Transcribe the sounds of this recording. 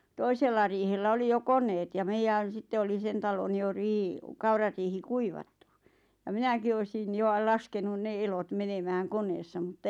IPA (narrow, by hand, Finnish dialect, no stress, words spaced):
toiselːɑ riːhelːæ oli jo konˑeːt jɑ meijæn̞ sitːe oli sen tɑlon jo riː kɑurɑriːhi kuiʋɑtːu jɑ minæki oisin jo ɑ lɑskenun ne elot menemæːŋ koneːsːɑ mutːɑ